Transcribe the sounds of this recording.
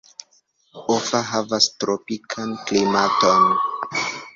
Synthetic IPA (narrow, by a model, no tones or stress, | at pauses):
ofaɦavastɾopikʰanklimato̞n